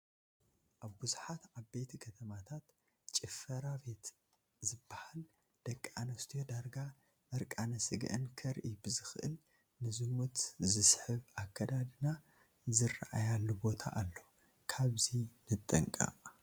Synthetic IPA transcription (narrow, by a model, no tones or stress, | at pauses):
ʔaβbuzuħat̪ʕaβbe̞t̪ʰikʰɐt̪ʰɐmat̪ʰat̪ | t͡ʃʼɪfɐɾabe̞t̪ | zɨbːahal | d̪̥ɐkʼːanɐst̪ʰijod̪aɾɡa | mɐɾkʼanɐsɨɡ̰ʔɨ̰nkʰɐɾʔɨjːbɨzɨxʔɨ̰l | nɨzɨmut̪zɨsħɨβakʰːɐd̪ad̪ɨna | zɨraʔajalːubo̞t̪ʰa̰ʔalːo̞ | kʰaβzinɨt̪ʼːɐŋkʼa̰